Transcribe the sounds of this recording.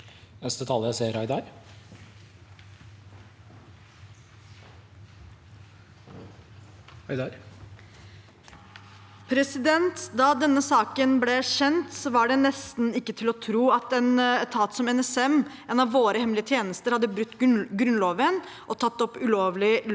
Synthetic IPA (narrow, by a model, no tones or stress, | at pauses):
nɛst̪ət̪ʰɑːləseːɾɑɪd̪ɑɾ | ɑɪd̪ɑɾ | pʰɾɛsɪd̪ɛnt̪d̪ɑːd̪ɛnːəsɑːkənblɛɕɛnt̪sɔʋɑɖɛnɛst̪n̩ɪkːət̪ʰɪlɔt̪ʰɾuːɑt̪ɛnɛt̪ʰɑːt̪sɔmɛnɛsɛm | ɛːnɑʋʋoːɾəhɛmlɪət̪ʰjeːnəst̪əɾhɑd̪ːəbɾʉt̪ːɡɾʉnloːʋən | ʔɔt̪ʰɑt̪ːɔpːʉloːʋlɪl